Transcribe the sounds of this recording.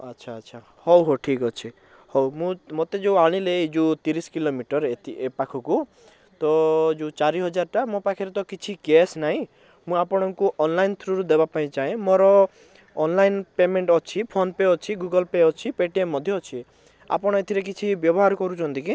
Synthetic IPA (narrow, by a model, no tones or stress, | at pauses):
atːʃʰaːtːʃʰa | hɔwɦoʈʰikɔt͡ʃʰi | hɔwmũmot̪ed͡ʒewaɽ̃iled͡ʒut̪iɾiskilomiʈɔɾet̪iepakʰɔku | t̪ɔd͡ʒeut͡ʃaɾiɦɔd͡ʒaɾʈamopakʰiɾet̪ɔkit͡ʃʰiɡesnaɦĩ | mũapɔɽ̃ɔŋkuʔɔnlajnt̪ʰɾuɾud̪ebapaĩt͡ʃaẽmoɾɔː | nlajnpemeɳʈɔt͡ʃʰipʰonpeɔt͡ʃʰiɡuɡɔlpeɔt͡ʃʰipeʈiemːɔd̪ʱjɔːt͡ʃʰi | a̰pɔɽ̃ɔet̪ʰiɾek̬it͡ʃʰibjɔbɔɦaɾkɔɾut͡ʃʰɔnt̪iki